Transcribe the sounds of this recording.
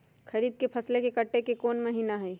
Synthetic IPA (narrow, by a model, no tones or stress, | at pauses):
xɐɾiːd̪̚kepʰɐslekekɐʈːekekoːnmɐɦiːnaɦɛː